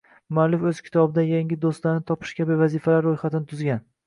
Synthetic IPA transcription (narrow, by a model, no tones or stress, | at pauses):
malɪfɵz̥kʲʰɪ̥t̪ʰɒbɪd̪ajaŋɡʲɪd̪ost̪laɾnɪt̪ʰɒpʰɪ̥ʃkʲʰabɪvazifalaɾːojχat̪ɪnɪt̪ʰʊzɡʲan